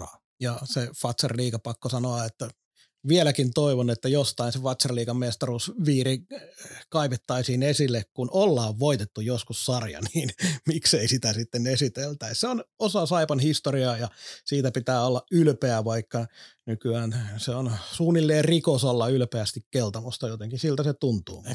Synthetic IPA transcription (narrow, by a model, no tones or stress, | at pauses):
jɑsefɑt̪serliːkɑpɑkːosɑnoɑet̪ːæ | ʋielækint̪oiʋonet̪ːæjost̪ɑinsefɑt̪serliːkɑmmest̪ɑrusʋiːri | kɑiʋet̪ːɑisiːnesilːekkunolːɑːʋʋoit̪et̪ːujoskussɑrjɑ̰niːnmikseisit̪æsit̪ːenesit̪elt̪æisseonosɑsɑipɑnhist̪oriɑjɑsiːt̪æpit̪æːolːɑylpeæʋɑikːɑnykyæːnseonsuːnːilːeːrrikosolːɑylpeæst̪ikkelt̪ɑmust̪ɑjot̪eŋkisilt̪æset̪unt̪ṵː